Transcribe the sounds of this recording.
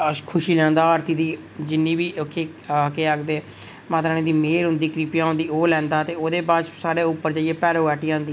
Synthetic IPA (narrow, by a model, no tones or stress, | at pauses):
kʰʊʃiːlɛ̃ːnd̪aːaːɾt̪iːd̪iː | d͡ʒɪnːiːbiːokʰːeː | keːəkd̪eː | mãːt̪ɾaːnẽːd̪iːmeːɾɦʊ̃nd̪iːkɾiːpjãːɦʊ̃nd̪iːoːlɛ̃ːnd̪aːt̪eːoːd̪eːbaːt͡ʃsaːɽeːʊpːəɾd͡ʒaːieːpɛːɾoːɛːʈiːãːnd̪iː